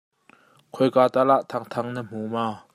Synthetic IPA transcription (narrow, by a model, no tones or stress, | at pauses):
kʰɔjkaːt̪alaʔt̪ʰaŋt̪ʰaŋnəm̥umaː